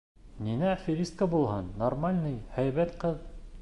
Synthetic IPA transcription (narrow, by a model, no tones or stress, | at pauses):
ninæfʲiɾʲist̪̚kəbulˠhɤnːormalʲnɤjhæjβæt̪qɤð